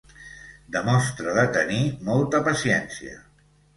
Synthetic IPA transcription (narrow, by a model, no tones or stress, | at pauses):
d̪əmɔst̪ɾəðət̪ənimɔlˠt̪əpəsiɛnsiə̰